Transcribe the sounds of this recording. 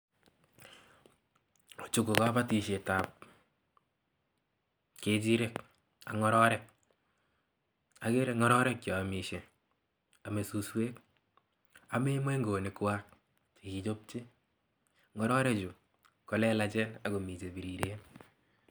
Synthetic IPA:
o˨t͡ʃu˨ko˨ka˦ba˦ti˨ʃe˨ta˨p̚ | ke˨d͡ʒi˦ɾe˦k | a̰˨ŋɔ˦ɾɔ˦ɾɛ˦k̚ | a˨ke˦ɾe˨ŋɔ˦ɾɔ˦ɾɛ˦k̚t͡ʃɔ˨a˨mi˨ʃe˨ | a˨me˨su˧sweː˦k | a˨me˦mwe˦ŋɡo˨nɪ˨kwa˦k̚ | i˨ki˨t͡ʃo˦p̚t͡ʃe˦ | ŋɔ˨˦ɾɔ˦ɾe˦d͡ʒu˨ | kɔ˦lɛ˦la˦t͡ʃɛ˦na˨ko˨mi˨t͡ʃe˨bi˨ɾi˨ɾe˦n

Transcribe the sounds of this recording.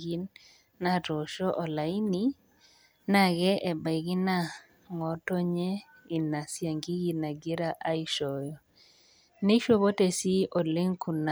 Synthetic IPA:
ɡi˦nː | a˦to˨ʃɔ˦ʔɔ˨la˨i˦ni˦ | na˨ɡɛ˦ʔɛ˨ba˨i˨ɡi˦na˦ | ŋɔ˨to˦ɲɛ˦ | i˨na˨sja˨ŋɡi˦ɡi˨na˨ɡɪ˦ɾa˦ʔa˦i˦ʃɔ˨jɔ˨ | ne˦ʃo˦βo˦te˨si˦o˨le˦ŋku˨na˨

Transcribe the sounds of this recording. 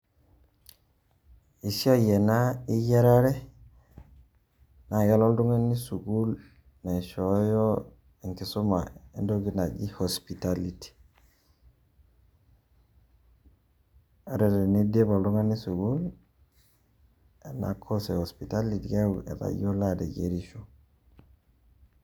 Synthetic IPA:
i˨si˦a˦je˨na˦i˦je˦ɾa˦ɾe˦ | na˨je˦lo˦ldu˦ŋa˦nːi˦su˨ɡu˦l | na˨ʃo˨˦jo˦ | i˨ŋki˨su˦ma˨ḛ˦ndo˦ɡi˨na˨d͡ʒi˦ho˨spi˨ta˨li˨ti̥˨ | a˨ɾede˨ni˦di˦bo˨ldu˦ŋa˦nːi˦su˨ɡul | e˨na̰˨kʰo˦se˨ho˨spita˦liti˨ɡe˦ḛ˨ta̰˨ɟo˦la˦dḛ˨ɟḛ˨ɾi˦ʃu˦

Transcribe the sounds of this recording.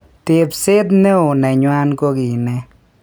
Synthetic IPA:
tɪ˨psɪ˦t̪̬nɛ˦ʊ˨nɛ˨ɲwa˦nko˦ɡi˨nɛ˦

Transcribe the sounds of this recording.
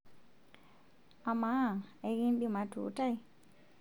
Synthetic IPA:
a˨ma˦˨e˦ɣi˦nɗi˦ma˨tṵ˨˦ta˦i˦

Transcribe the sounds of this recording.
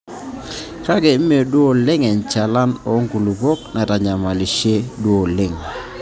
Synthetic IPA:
ka˦ɡɛ˨˦me˨dwo˦˨lɪ˦ŋɛ˨nt͡ʃa˨la˦nɔ˨˦ŋɡu˨lu˨bɔ˦k̚na˨ta˨ɲa˨ma˨li˨ʃe˦dwo˨lɪ˦˨ŋ

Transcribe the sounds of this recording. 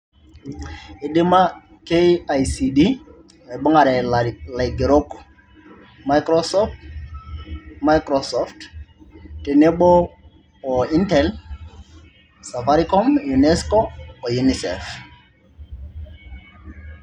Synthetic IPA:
ɪ˨ɗɪ˦ma˦ | kea˨jsi˨di˦˨ | i˨ɓɔ˦ŋa˨ɾɛ˨la˨jɡe˨ɾo˦k | ma˦jkɾɔsɔft | ma˦jkɾɔsɔft | te˨nɛ˦ɓɔː˦˨ | intɛl | sa˨faɾikɔ˦mjunɛskoː˦˨ju˨nisɛ̰f

